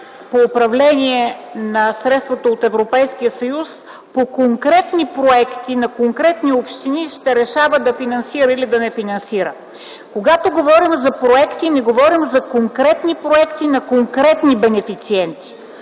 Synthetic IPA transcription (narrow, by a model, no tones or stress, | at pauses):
poːpɾɐvlɛniɛnɐsɾɛt̪st̪vot̪oot̪ɛvɾopɛjskijəsɐjus | pokoŋkɾɛt̪nipɾoɛkt̪inɐkoŋkɾɛt̪niopʃt̪iniʃt̪ɛɾɛʃavəd̪ɐfinɐnsiɾəilid̪ɐnɛfinɐnsiɾə | koɡat̪oɡovɔɾimzɐpɾoɛkt̪inɛɡovɔɾimzɐkoŋkɾɛt̪nipɾoɛkt̪inɐkoŋkɾɛt̪nibɛnɛfit̪siɛnt̪i̥